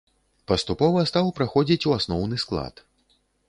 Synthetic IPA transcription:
pɐst̪upɔvɐst̪awpɾaxɔd͡zʲit͡sʲuasnɔwnɨsklˠa̰t̪

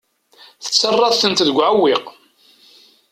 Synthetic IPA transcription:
θə̥t͡sːərˤːɑðθənt̪ðəɡʷːʕawːiq

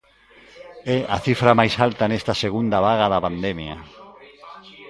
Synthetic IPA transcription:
ɛʔaθifɾamajsalt̪anest̪aseɣund̪aβaɣaðapand̪emja̰

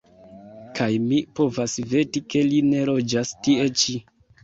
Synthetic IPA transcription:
kʰajmipo̞vasve̞tike̞line̞ɾo̞d͡ʒastie̞t͡ʃi

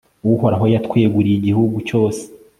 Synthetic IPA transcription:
uwuho̞ɾaɦo̞jatkwe̞ːɡuɾijiɟihuɡuco̞ːse̥

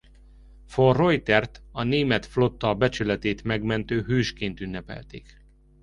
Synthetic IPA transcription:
forojt̪ɛrt̪ɒneːmɛt̪flo̞t̪ːɒbɛt͡ʃylɛt̪eːt̪mɛɡmɛnt̪øːɦøːʃkeːnt̪ynːɛpɛ̰lt̪ḛːk

